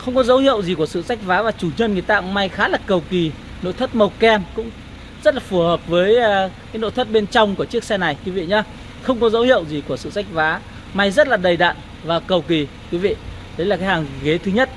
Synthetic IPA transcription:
xə˧wŋ͡mkɔ˨˦zə˨˦whḭ˧˨əwzi˨˩ku˧˩əsɨ̰˧˨sa˦˥jk̟̚vaː˨˦vaː˨˩t͡ɕu˧˩ɲə˧nŋɨ˨˩əjt̪a̰ː˧˨ma˧jxaː˨˦laː˨˩kə˨˩wki˨˩ | no̰˧˨jt̪ʰə˦˥t̚mə˨˩wkɛ˧mkʊ̰˧˥ŋ͡m | zə˦˥t̚laː˨˩fu˧˩həː˨˩p̚vəː˨˦jkaː˨˦jno̰˧˨t̪ʰə˦˥t̚ɓe˧nt͡ɕɔ˧wŋ͡mku˧˩ət͡ɕɨ˦˥ək̚sɛ˧na˨˩jkwi˨˦vḭ˧˨ɲa˨˧˦ | xə˧wŋ͡mkɔ˨˦zə˨˦whḭ˧˨əwzi˨˩ku˧˩əsɨ̰˧˨sa˦˥jk̟̚vaː˨˦ | ma˧jzə˦˥t̚laː˨˩ɗə˨˩jɗa̰ː˧˨n | vaː˨˩kə˨˩wki˨˩ | kwi˨˦vḭ˧˨ | ɗə˨˦jla˨˩kaː˨˦jhaː˨˩ŋɣe˨˦t̪ʰɨ˨˦ɲə˦˥t̚

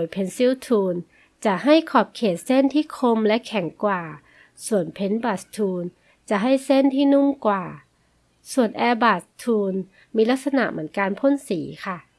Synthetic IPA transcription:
o˨˩jpʰe˨˦nsiː˦˥˩wt̪ʰuː˧n | t͡ɕa˨˩ʔɦa˥˩jkʰɔː˨˩p̚kʰeː˨˩t̪̚se˥˩˨nt̪ʰiː˥˩kʰo˧mlɛ˦˥kʰɛ˨˩˦ŋkwaː˨˩ | su˨˩ənpʰe˧˦nbaː˨˩st̪ʰuː˧n | t͡ɕa˨˩ɦa˥˩jse˥˩˨nt̪ʰiː˥˩nu˥˩˨mkwaː˨˩ | su˨˩ənʔɛː˧baː˨˩st̪ʰuː˧n | miː˧la˦˥k̚sa˧na̰˧˩ʔmɯ˩˦ə˦nkaː˧npʰo˧˥˨nsiː˩˦kʰa˥˩

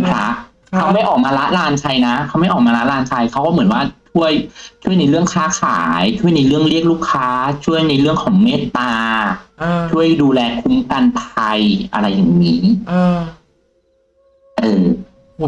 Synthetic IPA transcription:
kʰɾa˦˥ʔ | kʰa˦˥wma˥˩jʔɔː˨˩k̚maː˧la˦˥laː˧nkʰa˧jna˦˥kʰa˦˥wma˥˩jʔɔː˨˩maː˧la˦˥laː˧nt͡ɕʰa˧jkʰa˦˥wkɔː˥˩mɯ˩˦ənwaː˥˩t͡ɕʰu˥˩əjt͡ɕʰu˥˩əjna˧jɾɯ˥˩əŋkʰaː˦˥˩kʰaː˩˦˩jt͡ɕʰu˥˩əjna˧jɾɯ˥˩əŋɾi˥˩ək̚luː˥˩kʰːaː˦˥t͡ɕʰu˥˩əjna˧jɾɯ˥˩əŋkʰɔː˩˦ŋmeː˦˥˩t̪aː˧ | t͡ɕʰu˥˩əjduː˧lɛː˧kʰu˦˥mka˧npʰa˧jʔa̰˧ɾa˧jːa˨˩ŋniː˦˥˧ | ʔɤː˧˩

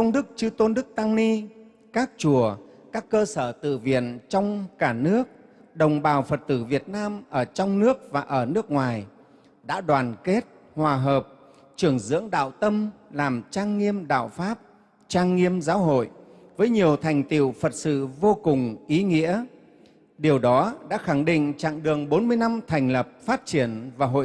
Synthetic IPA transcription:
t̪ə˧wŋ͡mɗɨ˦˥k̚t͡ɕɨ˧t̪o˧nɗɨ˦˥k̚t̪a˧ŋni˧ | kaː˦˥k̚t͡ɕu˧˩əkaː˦˥kːəː˧səː˧˩t̪ɨ̰˧˨vḭ˧˨ənt͡ɕɔ˧wŋ͡mkaː˧˩nɨ˦˥ək̚ | ɗə˨˩wŋ͡mɓaː˨˩wfə˨˩t̚t̪ɨ˧˩vi˨˩ət̚naː˧mʔəː˧˩t͡ɕɔ˧wŋ͡mnɨ˦˥ək̚vaː˨˩ʔəː˧˩nɨ˦˥ək̚ŋwaː˨˩j | ɗa̰ː˧˥ɗwaː˨˩nke˦˥t̚ | hwaː˨˩ɦəː˨˩p̚ | t͡ɕɨ˧˩əŋzɨ̰˧˥əŋɗa̰ː˧˨wt̪ə˧mlaː˨˩mt͡ɕaː˧ŋːi˧əmɗa̰ː˧˨wfaː˦˥p̚ | t͡ɕaː˧ŋːi˧əmzaː˨˦wɦo̰˧˨j | vəː˨˦jɲi˨˩əwt̪ʰa˨˩jŋ̟t̪ḭ˧˨əwfə˨˩t̚sɨ̰˧˨vo˧kʊ˨˩ŋ͡mʔi˨˦ŋḭ˧˥ə | ɗi˨˩əwɗɔ˨˦ɗa̰ː˧˥xa˧˩ŋɗḭ̈˧˨ŋ̟t͡ɕa̰ː˧˨ŋɗɨ˨˩əŋɓo˨˦nmɨ˧əjna˧mt̪ʰɛ˨˩jŋ̟lə˨˩p̚faː˦˥t̚t͡ɕi˧˩ənvaː˨˩ɦo̰˧˨

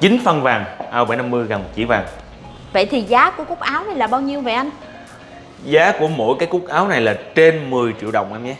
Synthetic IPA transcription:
t͡ɕï˨˦ŋfə˧nvaː˨˩ŋʔaː˧wɓaː˧˩jna˧mːɨ˧əjɣa˨˩n˨˩k̚t͡ɕḭ˧˩˦vaː˨˩ŋ | və̰˧˨jt̪ʰi˨˩zaː˨˦ku˧˩əku˦˥k̚ʔaː˨˦wna˨˩jlaː˨˩ɓaː˧wɲi˧əwve˨˩ʔa˧n | zaː˨˦ku˧˩əmo̰˧˥˨jkaː˨˦jku˦˥k̚ʔaː˨˦wna˨˩jlaː˨˩t͡ɕe˧nmɨ˨˩əjt͡ɕḭ˧˨əwɗə̰˧˨wŋ͡mʔaː˧mɲa˧˦

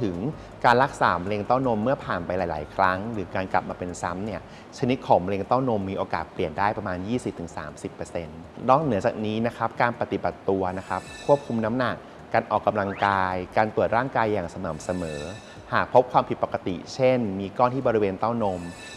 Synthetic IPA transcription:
t̪ʰɯ˨˩˦ŋ | kaː˧nla˦˥k̚saː˩˦m˧leː˧ŋt̪a˥˩wno˧mːɯ˥˩ɐpʰaː˨˩npa˧jlaː˩˦jlaː˩˦jkʰɾa˦˥ŋɾɯː˩˦kaː˧nkla˨˩p̚maː˧pe˧nsa˦˥mni˥˩ɐ | t͡ɕʰa˧ni˦˥t̪̚kʰɔː˩˦ŋm˧leː˧ŋt̪aː˥˩wno˧mːiː˧ʔoː˧kaː˨˩t̪̚pli˨˩əndaː˥˩jpɾa˧maː˧njiː˥˩si˨p̚t̪ʰɯ˩˦ŋsa̰ː˩˦msi˨˩pːɤː˧se˧n | nɔː˥˩k̚nɯ˩˦ɐt͡ɕaː˨˩k̚niː˦˥na˦˥kʰɾa˦˥p̚kaː˧npa˧t̪i˨˩ba˨˩t̪ːu˧ɐna˦˥kʰɾa˦˥p̚kʰːu˥˩əp̚kʰu˧mna˦˥mna˨˩kː | aː˧nʔɔː˨˩kːa˧mla˧ŋkaː˧jkaː˧nt̪u˨˩ət̪̚ɾaː˥˩ŋkaː˧jːaː˨˩ŋsa˧nɤː˩˦msa˧mɤː˩˦ | haː˨˩k̚pʰo˦˥p̚kʰwaː˧mpʰi˨˩t̪̚pa˨˩ka˧t̪ḭ˨˩t͡ɕʰe˥˩nmiː˧kɔː˥˩nt̪ʰiː˥˩bɔː˧ɾi˦˥weː˧nt̪a˥˩wno˧m

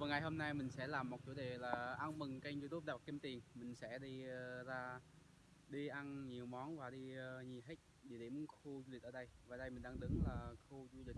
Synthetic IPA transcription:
vaː˨˩ŋa˨˩jɦo˧mna˧jmï˨˩ŋ̟sɛ̰˧˥laː˨˩mːo˨˩t̚t͡ɕu˨˦ɗe˨˩laː˨˩ʔa˧nmɨ˨˩ŋka˧ŋzu˧t̪u˦˥p̚ɗaː˧˩˨kːi˧mt̪i˨˩əŋmï˨˩ŋ̟sɛ̰˧˥ɗi˧ə˧zaː˧ | ɗi˧ʔa˧nɲi˨˩əwmɔ˨˦nvaː˨˩ɗi˧əː˧ɲi˨˩ɦe˦˥k̟̚ɗi˧˩ɗe˨˦m˦xu˧zu˧i˨˩ʔəː˧˦ɗə˧jvaː˨˩ɗə˧jmï˨˩ŋ̟ɗaː˧ŋɗɨ˨˩ək̚laː˨˩xu˧zu˧li˨˩k̟̚

